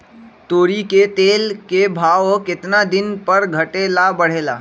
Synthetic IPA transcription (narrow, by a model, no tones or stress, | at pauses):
t̪oːɾiket̪eːlkebʱaːʋokɪt̪nad̪ɪnpəɾɡʱəʈeːlabəɽ̤eːla̰ː